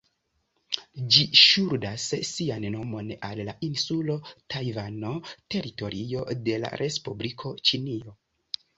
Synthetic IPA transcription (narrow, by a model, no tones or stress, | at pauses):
d͡ʒiʃuɾdasːianno̞mo̞nalːaʔinsulo̞tajvano̞te̞ɾito̞ɾio̞de̞la̰ɾʔe̞spublikʰo̞t͡ʃinio̞